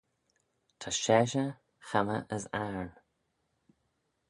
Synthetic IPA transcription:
t̪ʰaʃɛːʃə | xaməʔəzaɹn

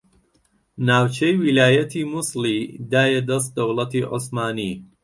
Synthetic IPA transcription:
naːwt͡ʃʰejwilaːjɐt̪ʰiːmuslid̪aːjɛd̪ɐs̬t̪̚d̪ɐwlˠɐt̪iʔosmaːni

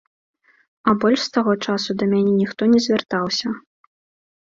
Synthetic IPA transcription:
ɐbɔlʲʂst̪aɣɔt͡ʂasud̪ɐmʲanʲɛnʲixt̪ɔnʲɛzʲvʲart̪awsʲɐ

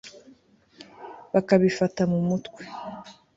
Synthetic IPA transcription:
βakaβifatamumutkwe

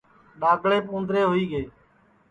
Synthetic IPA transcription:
ɗaːɡʱɭeːpũːnd̪ɾeːɦoiːɡeː

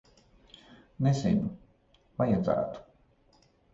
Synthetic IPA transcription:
nɛzɛ̰nu | vajad̪za̰ːt̪u̥

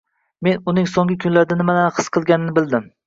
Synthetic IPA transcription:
me̞nʊnɪŋsoŋɪkʲʰʊnlaɾd̪anɪmanaχɨ̥sqʰɨlˠɡʲanɪnɪbɪlˠd̪ɪm

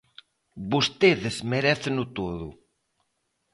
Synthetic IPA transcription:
bust̪eðɪzmeɾɛθenʊt̪oðʊ

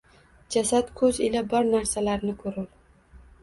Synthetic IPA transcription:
d͡ʒasat̪kʰɵzɪlabɒɾnaɾsalaɾnɪkʰɵɾʊl

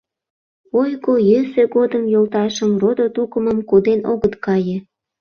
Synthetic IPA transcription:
ojɣojøseɣod̪əmjolt̪ɑʃə̆mrod̪ot̪ukəməmkod̪enoɣət̪kɑjĕ

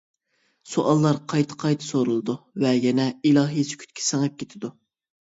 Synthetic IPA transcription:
soʔɑlˠːɑɾqʰɑjt̪ʰə̥qʰɑjt̪ʰɨ̥soɾulˠɨd̪uvɛjɛnɛilˠɑːɦijsɪ̥kʲʰy̥t̪̚kʲʰi̥sɪŋɛp̚kʲʰet̪ʰɪd̪u

